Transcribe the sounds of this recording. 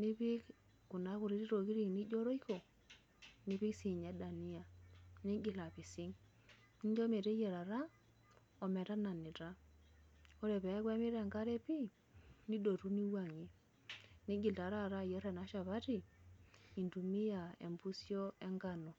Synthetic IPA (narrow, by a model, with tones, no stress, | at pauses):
ni˦pi˦k | ku˨na˦ku˨ɾi˦ɾi˦ɾo˨ki˦ɾi˦˨ni˦d͡ʒo˦ɾo˦i˦ko˨ | ni˦pi˦ksi˨ɲe˦da˨ni˦ja˨ni˦ɡi˨la˨pi˨si˦ŋ | i˦ɲd͡ʒo˦me˨te˦je˨ɾa˨ɾa˦ | ɔ˨me˨ta˦na˨ni˨ta˦ | o˦ɾe˨pɛ˨˦kwe˦mi˦ɾe˨ŋɡa˦ɾe˦pi˦ | ni˦do˨ɾu˦ni˦wa˨ŋi˦ | ni˦ɡi˨lta˨ɾa˦˨ɾa˦˨jɛ˦ɾe˨na˦ʃa˨βa˦ti˨ | i˨ntu˨mi˦ja˨ḛ˨mbu˦sjo˦e˦ŋɡa˦˨no˨